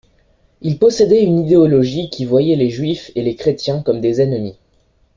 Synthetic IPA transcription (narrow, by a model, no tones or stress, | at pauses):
ilpɔsed̪ɛynid̪eɔlɔʒikʲivwajɛleʒɥifelekχet̪jɛ̃kɔmd̪ezɛnmi